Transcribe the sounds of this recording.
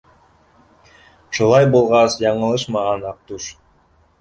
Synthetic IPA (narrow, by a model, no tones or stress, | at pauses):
ʃulˠɑjbulˠʁɑsjɑɴɤ̆lˠɤʃmɑʁɑnɑq̚t̪uʃ